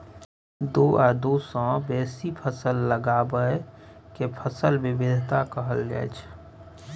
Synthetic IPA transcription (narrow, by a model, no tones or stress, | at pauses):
d̪oːəɾd̪oːsɔ̃ːbɛːsipʰəsəlːəɡaːbəekepʰəsəlwɪbɪd̪ʱt̪akəɦəlɡɛ̰ːt͡ʃʰ